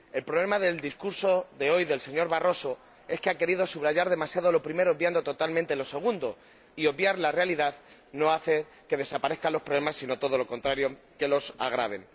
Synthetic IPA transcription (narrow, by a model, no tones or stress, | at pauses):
e̞lpɾo̞β̞le̞maðe̞ld̪iskuɾso̞ðe̞o̞jðe̞lse̞ɲo̞ɾβaro̞so̞ | e̞skeake̞ɾiðo̞suβɾaʝaɾðe̞masjað̞o̞lo̞pɾime̞ɾoβbjand̪o̞t̪ot̪almẽnt̪e̞lo̞se̞ɣ̞und̪o̞ | io̞βjaɾlarealiðaðno̞aθe̞ | ke̞ðe̞sapaɾe̞θkalo̞spɾolemasːino̞t̪o̞ð̞o̞lo̞ko̞nt̪ɾaɾjo̞ | ke̞lo̞sa̰ɣ̞ɾaβ̞e̞̰n